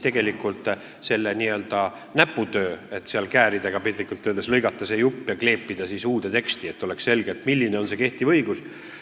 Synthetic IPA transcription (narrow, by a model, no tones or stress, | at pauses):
t̪e̞ɡ̥e̞likult̪ˑ | se̞lːeniːø̞ld̪̥ɑ | næpːˑut̪ø̞ːe̞t̪ːseɑlkæːɾid̪eɡ̥ɑpit̪likːˑult̪ːøːd̪eslɤjɡ̥ɑt̪ːˑɑsejupːˑjɑkle̞ːpːid̪̥ɑsisuːd̪̥e̞t̪e̞kst̪ie̞t̪ːˑo̞leksse̞lɡ̥et̪ːˑmilːineo̞nse̞ke̞ht̪ivɤjɡ̥us